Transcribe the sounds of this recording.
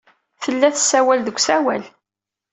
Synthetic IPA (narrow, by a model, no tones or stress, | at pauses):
θəlːæθsːæwælðəkʷːsæwæl